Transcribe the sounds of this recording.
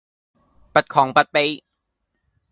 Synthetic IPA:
pa˨˩t̪̚kʰɔː˨˦ŋpa˨t̪̚pe˧˥j

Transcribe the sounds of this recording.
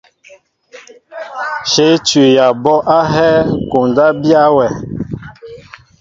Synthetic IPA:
ʃe˨˦tɥi˨ja˨bɔ˦ʔa˦ɦɛ˦ko˨nda˦bja˦wɛ˨

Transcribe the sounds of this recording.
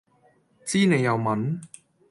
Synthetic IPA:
t͡siː˥ne˨˧jɐ˨˧wmɐ˨˥n

